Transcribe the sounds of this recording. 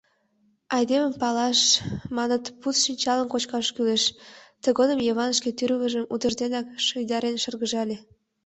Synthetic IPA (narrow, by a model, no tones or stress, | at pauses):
ɑjd̪eməmpɑlɑʃmɑnət̪put̪ʃinʲt͡ɕɑlənkot͡ɕkɑʃkyleʃt̪əɣod̪əmjeβɑnəʃket̪yɾβəʒəmut̪ərd̪enɑkʃəjd̪ɑɾenʃərɣəʒɑlʲe